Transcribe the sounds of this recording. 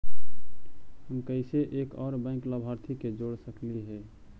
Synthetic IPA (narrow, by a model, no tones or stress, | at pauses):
həmkəɪseʔekɔːɾbə̃ɪkləbʱaɾt̪ʰiked͡ʒoɽsəkliɦɛː